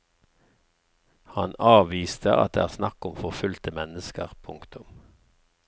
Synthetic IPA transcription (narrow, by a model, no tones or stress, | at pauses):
hɑnɑːʋiːst̪ʰəʔɑ̰t̪̚d̪eːæːʁsnɑkʊmfɔʁfʉlt̪əmɛnəskə̰ʁpʰʊŋkt̪ʰʊm